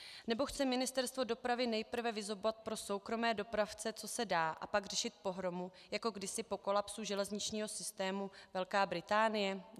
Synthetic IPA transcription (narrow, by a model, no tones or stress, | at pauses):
nɛbo̞xt͡sɛmɪnɪst̪ɛɾst̪vo̞do̞pɾavɪnɛjpr̩vɛvɪzɦo̞bovat̪̚pɾo̞so̞wkɾo̞mɛːdopɾaft͡sɛt͡so̞sɛdaːʔa̰paɡr̝ɛʃɪt̪̚po̞ɦɾo̞mu | jako̞ɡdɪsɪpo̞ko̞lapsuʒɛlɛzɲɪt͡ʃɲiːɦo̞sɪst̪ɛːmuvɛlkaːbɾɪt̪aːnɪjɛ